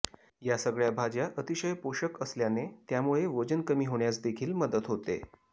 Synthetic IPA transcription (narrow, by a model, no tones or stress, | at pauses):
jasəɡɭjabʱad͡ʑjaʔət̪iɕəjpoɕəkəsljanet̪jamuɭeʋəd͡ʑənkəmiːɦoɳjat͡sd̪ekʰiːlməd̪ət̪ɦot̪ḛ